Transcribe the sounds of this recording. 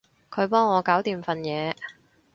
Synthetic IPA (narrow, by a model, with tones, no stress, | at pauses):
kʰɵ˨˧ɥpɔː˥ŋːɔː˨˧kaː˨˥wt̪iː˨mfɐ˨njɛː˨˧